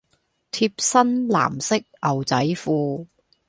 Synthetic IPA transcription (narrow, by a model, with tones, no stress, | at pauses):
t̪ʰi˧p̚sɐ˥nla̰ː˨˩msɪ˥k̚ɐ˨˩wt͡sɐ˨˥jfuː˧